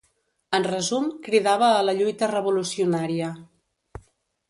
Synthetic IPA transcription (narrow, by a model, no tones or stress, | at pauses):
ənrəzumkɾiðaβ̞əːləʎujt̪ərəβulusiunaɾiə